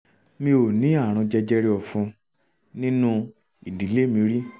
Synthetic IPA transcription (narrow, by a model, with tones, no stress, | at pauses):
mĩ˧o˨nĩ˨˦a˦˨ɾ̃ũ˧d͡ʒɛ˦d͡ʒɛ˦ɾe˦ɔ˧fũ˧ | nĩ˦nũ˦ | i˨di˨˦le˦mĩ˧ɾi˦